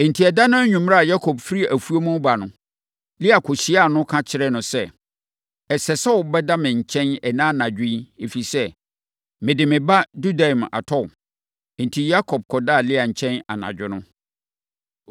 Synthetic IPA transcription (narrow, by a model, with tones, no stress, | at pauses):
n̩˨tʰi˨ɛ˨da˦nʊ̃˦ɲᶣũ˨m˦ɾa˨ja˦kʰɔ˨b̚fɾi˦æ˨fu˦o˦mʊ̃˦ba˨nʊ̃˨ | lɪ˦a˨kʰʊ˨ɕi˦a˦˨nʊ̃˦kʰã˦t͡ɕʰɪ˦ɾɛ˦nʊ̃˨sɛ˦ | ɛ˨sɛ˨sɛ˦ɔ˨bɛ˦da˦mɪ̃˨ɲ̩˨t͡ɕʰɛ̃˦nɛ˨nãː˦˨nã˨d͡ʑᶣɪ̃˦e˨fi˨sɛ˦ | mɪ̃˨dɪ˨mɪ̃˨ba˦du˦da˨ma̰˨tʰɔ˦˨ | n̩˨tʰi˨ja˦kʰɔ˨b̚kʰɔ˨da˦˨lɪ˦a˨ɲ̩˨t͡ɕʰɛ̃˦na̰˨nã̰˨d͡ʑᶣɪ˦nʊ̃˦